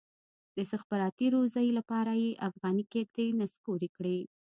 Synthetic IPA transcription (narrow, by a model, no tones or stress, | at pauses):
d̪əsaxbaɾɑt̪iɾozɑjlapɑɾajeʔafɣɑnikek̚d̪enaskoɾekɽi